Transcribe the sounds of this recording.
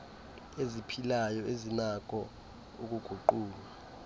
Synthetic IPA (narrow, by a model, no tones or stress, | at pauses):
ezipʰilajɔezinak̬ʰʼɔ | uk̬ʼuɡ̥ʱuǃuːla